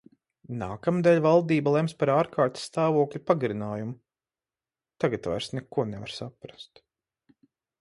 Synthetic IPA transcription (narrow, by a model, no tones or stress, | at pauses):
naːkamd̪ɛlʲvalˠd̪iːbalˠɛmspaɾaːɾkaːɾt̪ʲsːt̪aːvuɔklʲupaɡaɾinaːjumʊ | t̪aɡat̪va̰jɾsnɛkuɔnɛva̰ɾsapɾast̪